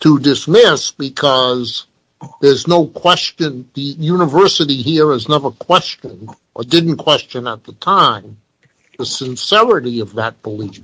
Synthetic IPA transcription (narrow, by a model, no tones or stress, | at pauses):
tʰədɨsmɪsb̥ɨkʰʌz | ðə˞znoʊkʰw̥ɛst͡ʃɨ̃nðɨjʉnəvɜ˞sɨɾiɦiɹɨznɛvəkʰw̥ɛst͡ʃɨ̃nʔə˞dɪdⁿn̩kʰw̥ɛst͡ʃɨ̃nət̪̚ðətʰãɪ̃m | ðəsɨ̃nsɛɹɨɾiʌvðɨt̚b̥əlif